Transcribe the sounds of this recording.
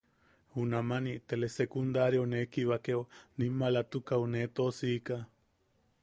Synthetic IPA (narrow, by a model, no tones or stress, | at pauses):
hunamanit̪elesekund̪aɾjonekiβakeonimːalat̪ukaunet̪osiːka